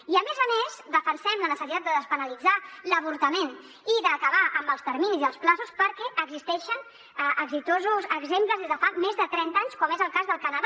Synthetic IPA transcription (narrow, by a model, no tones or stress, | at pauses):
iəmezəmezd̪əfənsɛmlənəsəsit̪at̪d̪əðəspənəlid͡zaləβ̞uɾt̪əmen | iðəːkəβaʔəmbəlˠst̪əɾminiziəlˠsplasuspəɾkɛʔəɡzist̪ɛʃən | əʔəɡzit̪ozuzəɡzempləzðezðəfamezðət̪ɾɛnt̪aɲskɔmezəlˠkazðəlˠkənəð